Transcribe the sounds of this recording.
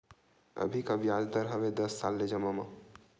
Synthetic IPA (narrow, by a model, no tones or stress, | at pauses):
ə̰bʱikaʋjad͡ʒ̪d̪əɾɦəʋed̪əsːaːlːed͡ʒəmama